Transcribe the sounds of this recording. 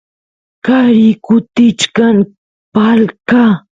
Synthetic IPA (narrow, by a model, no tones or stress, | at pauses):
kaɾɪkʊt̪ɪt͡ʃkaŋ | palka